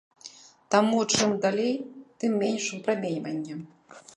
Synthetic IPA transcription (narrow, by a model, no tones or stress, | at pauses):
t̪amut͡ʂɨmd̪alʲejt̪ɨmːʲenʲʂupɾamʲejʲvɐnʲːɐ